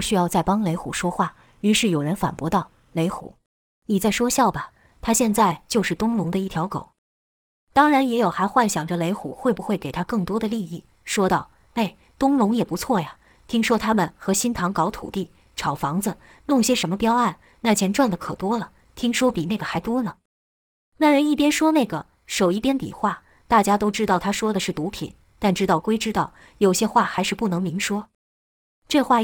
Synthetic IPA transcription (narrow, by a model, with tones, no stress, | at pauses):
ɕy˥jɑ˥˧ʊt͡sa˥˩ɪpɑ˥ŋle˧˥ɪxṵ˨˩ʂwɔ˥xwa˥˩ | y˧˥ʂɻ̩˥˩jo˨˩ʊɻə˧˥nfa̰˨˩npwɔ˧˥t̪ɑ˥˩ʊ | le˧˥ɪxṵ˨˩˦ | ni˨˩t͡sa˥˩ɪʂwɔ˥ɕjɑ˥˩ʊbɐ˩ | t̪ʰa˥ɕjɛ˥˧nt͡sa˥˧ɪt͡ɕjo˥˧ʂɻ̩˥˩t̪ʊ˥ŋlʊ˧˥ŋd̪ə˧i˥˩t̪ʰjɑ˧˥ʊko̰˨˩˦ʊ | t̪ɑ˥ŋɻa˧˥njɛ˧˥jo˨˩xa˧˥ɪxwa˥˩nɕjɑ˨˩ŋʈ͡ʂə˦le˧˥ɪxu˨˩˦xwe˥˩ɪbu˧˥xwe˥˩ɪke˨˩ɪt̪ʰa˥kɤ˥˩ŋt̪wɔ˥d̪ə˨li˥˧i˥˩ | ʂwɔ˥t̪ɑ˥˩ʊ | e˥˩ɪ | t̪ʊ˥ŋlʊ˧˥ŋjɛ˨˩pu˧˥t͡sʰwɔ˥˩ja˩ | t̪ʰi˥ŋʂwɔ˥t̪ʰa˥mə˨nxɤ˧˥ɕi˥nt̪ʰɑ˧˥ŋkɑ˧˥ʊt̪ʰṵ˨˩t̪i˥˩ | ʈ͡ʂʰɑ˨˩ʊfɑ˧˥ŋd͡z̩˧ | nʊ˥˩ŋɕjɛ˥ʂə˧˥nmə˧pjɑ˥ʊa˥˩n | na˥˩t͡ɕʰjɛ˧˥nʈ͡ʂwa˥˩nlə˩kʰɤ˨˩t̪wɔ˥lə˨ | t̪ʰi˥ŋʂwɔ˥pi˨˩nae˥˩ɡə˩a˧˥ɪt̪wɔ˥nə˨ | na˥˩ɻə˧˥ni˥˩pjɛ˥nʂwɔ˥ne˥˩ɪɡə̰˩ | ʂo˨˩ʊi˥˩pjɛ˥nt̪ḭ˨˩xwa˥˩ | t̪a˥˩t͡ɕja˥t̪o˥ʊʈ͡ʂɻ̩˥t̪ɑ˥˩ʊt̪ʰa˥ʂwɔ˥d̪ə˨ʂɻ̩˥˩t̪u˧˥pʰḭ˨˩˦n | t̪a˥˩nʈ͡ʂɻ̩˥t̪ɑ˥˩ʊkwe˥ɪʈ͡ʂɻ̩˥t̪ɑ˥˩ʊ | jo˨˩ʊɕjɛ˥xwa˥˩xa˧˥ɪʂɻ̩˥˧pu˥˩nɤ˧˥ŋmi˧˥ŋʂwɔ˥ | ʈ͡ʂɤ˥˧xwa˥˩